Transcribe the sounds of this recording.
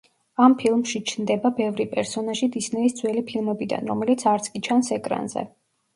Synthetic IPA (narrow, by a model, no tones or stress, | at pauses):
ampʰilˠmʃit͡ʃʰnd̪ɛbabɛvɾipʼɛɾsɔnaʒid̪isnɛisd̪zwɛlipʰilˠmɛbid̪a̰nɾɔmɛlit̪sʰaɾt̪sʼkʼit͡ʃʰansɛkʼɾa̰nzɛ̰